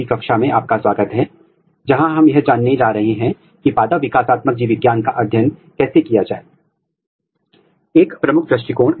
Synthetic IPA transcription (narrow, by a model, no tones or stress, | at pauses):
ikɐkʃamẽaːp̚kaswaːɡət̪ɦɛː | d͡ʒɐɦãɦɐmjɐɦd͡ʒaːnːed͡ʒaːɾɐɦeɦɛ̃ | kipaːd̪aʋɪkaːsaːt̪mək̚d͡ʒiːʋɪɡjaːnkaʔɐd̪ʱjənkɛːsekijad͡ʒaːe | eːkpɾɐmʊkʰpɾɐʃʈikoːɽ̃